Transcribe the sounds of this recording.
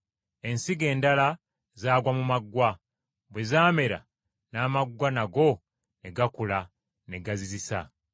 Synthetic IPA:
e̞nsiɡe̞ːndala | zaːɡwamumaɡwa | bwe̞zaːme̞ɾa̰ | naːmaɡwanaɡo̞ | neɡakula | ne̞ɡazizisa̰

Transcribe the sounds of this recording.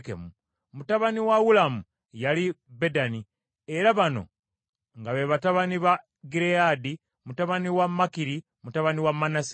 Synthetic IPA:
kḛmu | mutaβaniwaɣulamu | jalibe̞dani | eɾaβano̞̰ | ŋɡaβeβataβaniβa | ɡiɾeadi | mutaβaniwamːakiɾi | mutaβaniwamːanas

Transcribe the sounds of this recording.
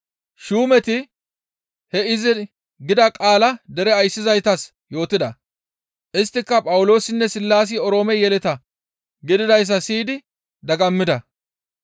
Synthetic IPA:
ʃuːmɛt̪ɪ | hɛɪzɪ | ɡɪd̪ɐkʼaːlɐd̪ɛɾɛɐjsːɪzɐjt̪ɐs | jo̞ːt̪ɪd̪ɐ | ʔɪst̪ːɪkːɐpʼɐwʊlo̞ːsɪnːɛsɪlːaːs̬ɪɔɾo̞ːmɛjɛlɛt̪ɐ | ɡɪd̪ɪd̪ɐjs̬ːɐsiːd̪ɪ | d̪ɐɡɐmːɪd̪ɐ

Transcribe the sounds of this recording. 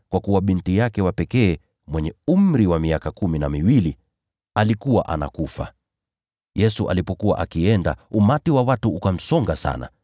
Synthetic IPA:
kwakuwaɓintijakɛwapɛkɛː | mwɛɲɛum̩ɾiwamiakakuminamiwili | alikuwaʔa̰na̰kufa̰ | jɛsuʔa̰lipɔkuwa̰ʔakiɛnda̰umatiwawatuukam̩sɔŋɡasa̰na̰

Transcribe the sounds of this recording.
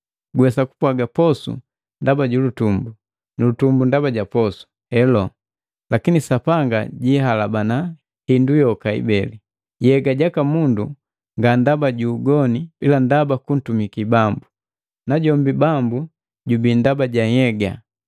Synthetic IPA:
ɡwɛsaku̥pwaɡapɔsṵ | ndabaɟulutumbu | nulutumbundabaɟapɔsu̥ | ɛlɔ | lakinisapaŋɡa̰ɟiɦalabana | hindujɔkaḭbɛli | jɛɡaɟakamundu | ŋɡandabaɟuːɡɔnibilandabakun̩tumikibambu | naɟɔmbibambu | ɟubindabaɟahɛɡa̰

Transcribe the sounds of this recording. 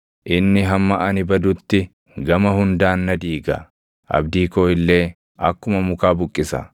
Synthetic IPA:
ʔɪnːɪɦɐmːɐʔɐnɪbɐd̪ʊt̪ːɪ | ɡɐmɐɦʊnd̪aːnːɐd̪iːɡɐ̰ | ʔɐ̰bd̪iːkoːɪlːe̞ː | ʔɐkːʊmɐmʊkaːbʊkʼːɪsɐ̰

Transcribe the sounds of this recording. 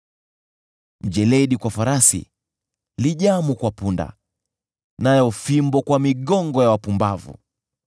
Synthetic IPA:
m̩d͡ʒɛlɛɗikwafaɾasḭ | liʄamukwapunda̰ | najɔfimbɔkwamiɡɔŋɡɔjawapumbavṵ

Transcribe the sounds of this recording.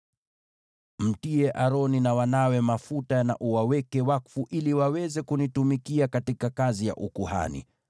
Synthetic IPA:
m̩tiɛʔaɾɔninawanawɛmafutana̰ʔuwawɛkɛwakfuʔiliwawɛzɛkunitumikiakatikakazija̰ʔukuha̰nḭ

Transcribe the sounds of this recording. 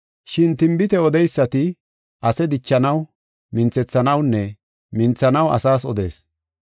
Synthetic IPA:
ʃɪnt̪ɪmbɪt̪ɛɔd̪ɛjsːɐt̪ɪ | ʔɐsɛd̪ɪt͡ʃːɐnɐw | mɪnt͡sɛt͡sːɐnɐwnːɛ | mɪnt͡sːɐnɐwɐ̰saːsɔd̪e̞̰ːs

